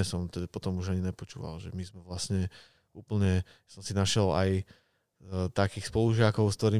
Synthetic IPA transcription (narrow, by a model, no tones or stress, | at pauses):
ɛsɔmt̪ɛd̪apɔt̪ɔmuʒaɲiɲɛpɔt͡ʃṵːʋa̰lʒɛmizmɛʋlasɲɛ | uːpl̩ɲɛ | sɔmsinaʃɪɛla̰j | t̪akiːxspɔluʒɪakɔʊskt̪ɔɾiː